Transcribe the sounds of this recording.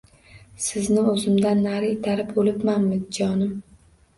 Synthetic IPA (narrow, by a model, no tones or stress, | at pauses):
sɪznɪɵzɪmd̪anːaɾɪɪt̪ʰaɾɪpolɪpmanmɪzd͡ʒɒnɪm